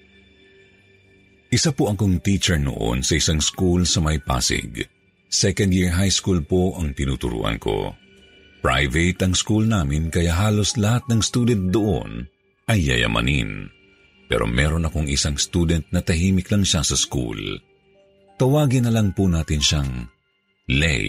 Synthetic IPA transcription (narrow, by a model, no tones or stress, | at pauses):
ʔɪsapoʔɐkoŋt̪it͡ʃɛɹno̰ʔo̞̰nsɐʔɪsaŋskulsɐmɐjpa̰ːsɪ̰ɡ | sɛkɐnd̪jiɹɦajskulpoʔɐŋt̪ɪnut̪ʊɾṵʔɐ̰nkʰo̞̰ | pɹa̰jvɛt̪ɐŋskulnaːmɪnkɐjaʔɦaːlo̞slɐhat̪̚nɐŋst̪uːd̪ɛnt̪̚d̪oʔo̰n | ʔɐjːɐ̰jɐ̰mʔɐ̰nḭn | pɛ̰ɾʔo̞̰mɛːɾo̞nɐkoŋɪsaŋst̪uːd̪ɛnt̪̚nɐt̪ɐɦiːmɪklɐŋʃasɐskṵl | t̪ɐwaːɡɪnɐlɐŋpʊnaːt̪ɪnʃaŋ | lɛ̰j